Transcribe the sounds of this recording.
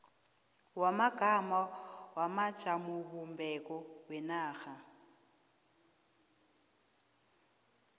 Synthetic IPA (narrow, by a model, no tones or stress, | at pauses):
wamaɡ̥ʱamawamḁt͡ʃʰʼamuβumbɛkɔwɛnaːxa